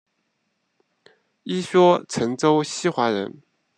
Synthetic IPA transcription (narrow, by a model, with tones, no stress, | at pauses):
i˥ɕɔ˥t͡sʰɤ˧˥ŋʈ͡ʂo˥ʊɕi˥xwa˧˥ɻə̰˧˥n